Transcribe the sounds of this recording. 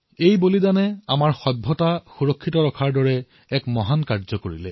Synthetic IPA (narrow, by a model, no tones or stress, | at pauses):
ejbolizanɛamaɹxɔd̚bʱɔtaxuɹɔkʰːitɔɹɔkʰaɹdɔɹɛ | ɛkmɔɦankaɹzɔkoɹilɛ